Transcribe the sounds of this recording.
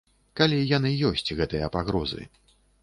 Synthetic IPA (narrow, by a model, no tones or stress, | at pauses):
kalʲijanɨjɔsʲt͡sʲɣɛt̪ɨjɐpaɣɾɔzɨ̰